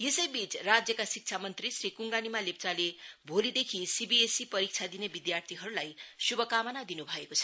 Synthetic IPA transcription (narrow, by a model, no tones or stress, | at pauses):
jesʌjbit͡srad͡zjʌkasik̚t͡sʰamʌnt̪risrikuŋɡanimalep̚t͡salebʱolid̪ekʰisibiesipʌɾik̚t͡sʰad̪inebid̪jart̪ʰiɦʌɾulajsubʌkamʌnad̪inubʱʌekot͡sʰʌ̥